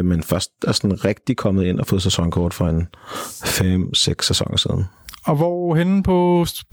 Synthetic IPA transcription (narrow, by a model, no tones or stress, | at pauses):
menfɶɐsd̥æsɒnʁeɡ̥̚d̥ikʰɒ̽mð̩ˠe̝n̰ɒfo̽ːðˠsesɒ̽ŋkʰɒːd̥fɒ̽e̝nfem̰seɡ̥sːæsɒ̽ŋɐsḭːð̞ˠn̩ɒ̽ʋɒhen̩pʰɒ̽